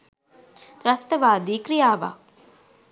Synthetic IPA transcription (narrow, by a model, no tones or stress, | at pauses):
ɾɐst̪ɐʋaːd̪iːkɾijaːʋa̰